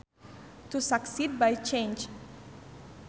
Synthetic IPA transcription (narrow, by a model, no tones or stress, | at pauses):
tusaksid̚bajt͡ʃẽnd͡ʒ